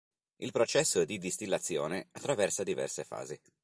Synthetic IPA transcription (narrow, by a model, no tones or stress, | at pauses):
ilpɾot͡ʃɛsːod̪id̪ist̪ilːat̪sːjo̰ːneat̪ːɾavɛrsad̪ivɛ̰rsefa̰ːzi